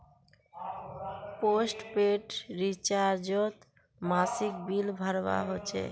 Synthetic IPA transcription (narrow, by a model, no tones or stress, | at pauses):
posʈpeʈɾit͡ɕaɾd͡ʑot̪ | masik̚bilbʱaɾba̰ɦoːt͡ɕʰḛ